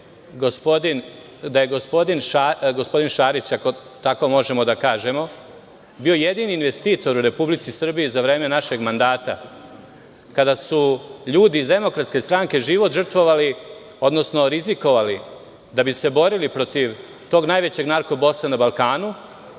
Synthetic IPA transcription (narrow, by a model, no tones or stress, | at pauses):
ɡospod̪in | d̪aje̞ɡo̞spo̞d̪inʃaɡo̞spo̞d̪inʃaːɾit͡ɕako̞t̪ako̞mo̞ʒe̞mo̞d̪akaːʒe̞mo̞ | bio̞jed̪iːniːnʋe̞st̪iːt̪o̞ɾuɾe̞publit̪sisr̩bijizaʋɾe̞ːme̞naʃe̞ɡmand̪aːt̪a | kad̪asuʎuːd̪iːzd̪e̞mo̞kɾat̪ske̞st̪ɾaŋke̞ʒiʋo̞t̪ʒr̩t̪ʋo̞ʋali | o̞d̪no̞sno̞ɾiziko̞ʋali | d̪abise̞bo̞ɾilipɾo̞t̪iʋ | t̪o̞ɡnaːjʋe̞t͡ɕe̞ɡnaɾkobo̞sanabalˠkaːnu